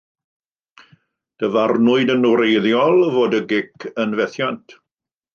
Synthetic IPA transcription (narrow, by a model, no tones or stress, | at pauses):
d̥əvarnʊɨdənuɾejðjɔlˠvoːdəɡɪkʰənvɛθjantʰ